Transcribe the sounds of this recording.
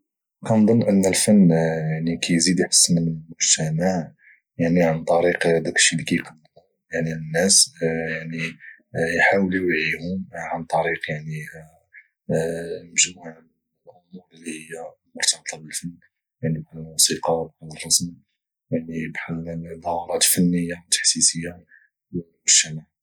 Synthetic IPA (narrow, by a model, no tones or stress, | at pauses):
kænd̪ˤənːʔənːəlfənːjaʕnikʰæjzid̪jħə̥sːmənəmʊʒt̪æmaʕ | jaʕniʕant̪ˤɑɾiqd̪ækʃːilikæjqənːlu | jaʕninːæsjaʕni | jħawliwʕihʊmʕant̪ˤɑɾiqjaʕni | əmʒuha | lʔʊmuɾˤəlːihəjːalmʊɾt̪ɑb̚t̪ˤɑbəlfənː | jaʕnibħdlmusiqɑbħad̪ərˤːɑsm | jaʕnibħad̪ˤɑhɑɾˤɑt̪fənːəjːawt̪ːḁħsisəjːa | wlmʊʒ̥t̪æmaʕ